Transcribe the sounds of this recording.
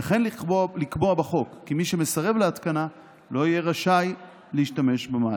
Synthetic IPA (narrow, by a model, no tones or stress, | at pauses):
aχe̞nlikboabaχo̞kːimiʃeme̞saʁe̞vleat̪kana | lo̞ije̞ʁaʃaj | leiʃtame̞ʃbema